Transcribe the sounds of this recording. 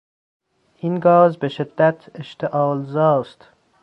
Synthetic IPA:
inɡɒːzbeʃɪd̪ːat̪ʰeʃt̪ʰeʔɒːlzɒːst̪

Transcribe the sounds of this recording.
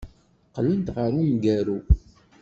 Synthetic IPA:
qələnt̪ʁəɾumɡæɾu

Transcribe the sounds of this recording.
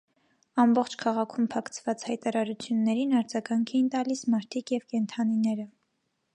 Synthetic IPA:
ɑmbɔχt͡ʃʰkʰɑʁɑkʰumpʰɑkʰt͡sʰv̥ɑt͡shɑjt̪ɑɾɑɾut͡sʰjunːɛɾinɑɾd͡zɑɡɑŋkʰɛjint̪ɑlismɑɾt̪ʰikjɛvkɛnt̪ʰɑninɛɾə

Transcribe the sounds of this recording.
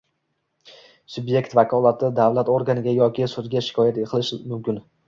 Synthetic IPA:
sʊbje̞kʲt̪vakʰɒlˠat̪ʰɪd̪avlat̪oɾɡanɪɡʲajɒkʲɪsʊd̪ɡʲaʃɪ̥kʰɒjat̪eqʰɨlˠɪʃmʊmkʲɪn

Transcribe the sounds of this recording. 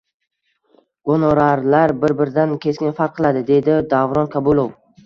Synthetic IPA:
ɡ̥onɒɾaɾlaɾbɪɾbɪɾɪd̪ankʲʰe̞skʲɪnfaɾqʰɨlˠad̪ɪd̪e̞jd̪ɪd̪avɾɒnkʰabulˠof

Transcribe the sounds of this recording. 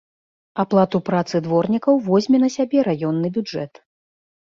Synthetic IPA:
aplˠat̪upɾat̪sɨd̪vɔrnʲikɐwvɔzʲmʲɛnɐsʲabʲɛɾajɔnːɨbʲud͡ʐɛt̪

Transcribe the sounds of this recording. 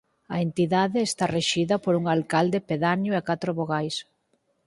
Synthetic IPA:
ɐent̪iðaðɪːst̪areʃiðɐpoɾuŋalkald̪epeðaɲʊekat̪ɾoβoɣajs

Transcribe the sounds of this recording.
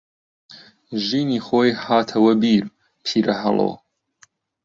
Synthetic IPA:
ʒiːniːxoːjhaːt̪ʰɐwɐbiːɾ | pʰiːɾʔɐɦɐ̰lˠo̰ː

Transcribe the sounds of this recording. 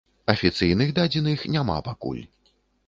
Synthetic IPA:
ɐfʲit̪sɨjnɨɣd̪ad͡zʲinixnʲama̰pakṵlʲ

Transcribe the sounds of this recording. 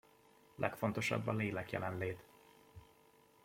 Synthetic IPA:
lʔɛkfo̞nt̪o̞ʃɒ̰bːɒleːlɛkjɛlɛnleːt̪

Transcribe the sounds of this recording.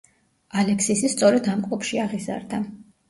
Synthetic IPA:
alɛksisist̪sʼɔɾɛd̪amkʼɔpʰʃiaʁiza̰ɾd̪a

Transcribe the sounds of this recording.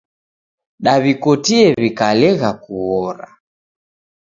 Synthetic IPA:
ɗaβikɔtiɛβikalɛɣakuɔɾa

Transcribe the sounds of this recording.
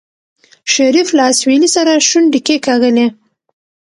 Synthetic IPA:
ʃaɾiflaːswinisaɾaʃunɖikekaɣəne

